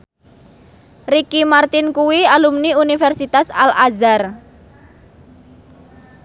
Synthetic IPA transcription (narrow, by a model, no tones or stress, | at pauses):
rikimart̪ɪnkuwialumniunifɛrsit̪asa̰lʔazar